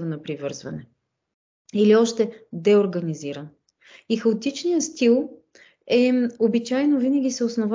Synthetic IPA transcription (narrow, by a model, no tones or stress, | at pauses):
vnɐpɾivɤɾzvɐnɛ | iliɔʃt̪ɛd̪ɛoɾɡɐniziɾən | ixəot̪it͡ʃnijəst̪ilˠ | ɛobit͡ʃajnovinəɡʲisɛosnov